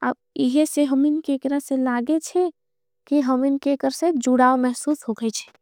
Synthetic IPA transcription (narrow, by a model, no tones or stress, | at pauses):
a̰b | iɦeseɦəminkekɾaselaɡet͡ʃʰɛ | kiɦəminkekəɾsed͡ʒuɽaːomɛɦsusɦokɛt͡ʃʰɛ̥